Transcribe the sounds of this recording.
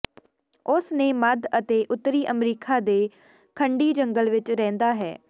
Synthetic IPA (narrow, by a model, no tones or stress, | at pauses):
ʊsneːməd̪ət̪eːʔʊt̪ːəɾiːʔəmɾiːkʰaːd̪eː | kʰəɳɖiːd͡ʒəŋɡəlʋɪt͡ʃɾɛ̃ːnd̪aːɦɛ̰ː